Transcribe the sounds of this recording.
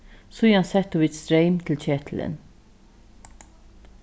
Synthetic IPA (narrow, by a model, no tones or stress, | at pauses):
sɔjɑnsɛt̪ːʊʋɪt̪st̪ɾɛɪmt̪ʰɪlt͡ɕɛt̪ʰl̩ə̰n